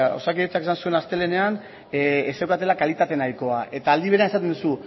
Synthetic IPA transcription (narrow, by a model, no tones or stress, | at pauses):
o̞̰sakiet͡sake̞sansue̞nast̪e̞le̞ne̞an | esewkat̪e̞lakalit̪at̪e̞najko̞aʔe̞t̪aːld̪iβe̞ɾeaesat̪end̪usu